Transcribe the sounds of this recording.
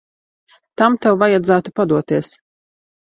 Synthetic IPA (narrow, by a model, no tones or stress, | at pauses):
t̪amt̪ɛwvajad̪zæːt̪upad̪uɔt̪iɛs